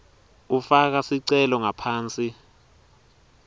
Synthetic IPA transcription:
ufak̬asiǀɛlɔŋapʰaːnt͡sʼi

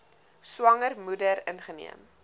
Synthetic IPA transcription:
swɐŋərmudəɾənχənḭəm

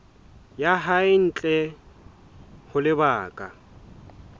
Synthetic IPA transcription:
jaɦaɪn̩ːt͡ɬʼɛ | hʊlɪbaːkʼa̰

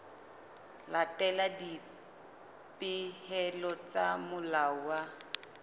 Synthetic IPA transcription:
latʼɛladi | pʼɪhɛlɔt͡samʊlawa

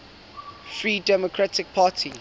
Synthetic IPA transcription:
fɹiːdɛmɔkʰɹatɪk̚pʰaːtʰi

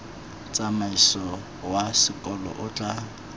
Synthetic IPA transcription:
t͡sʼamaisɔ | wasɪkʼɔlɔ̰ʔʊt͡ɬʼa

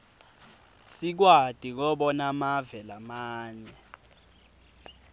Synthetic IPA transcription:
sik̬wad̥ʱik̬ɔɓɔnamavɛlamaːɲɛ

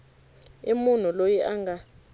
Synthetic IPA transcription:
imun̤ulojiʔaŋɡʱa

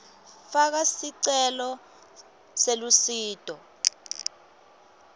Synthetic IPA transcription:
fak̬asiǀɛlɔ | selusiːtʼɔ

